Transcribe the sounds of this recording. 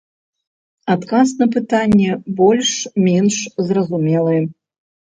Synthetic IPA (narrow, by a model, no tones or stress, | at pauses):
at̪kasnɐp̬ɨt̪anʲːɛbɔlʲʂmʲɛnʂzrɐzumʲɛlˠɨjɛ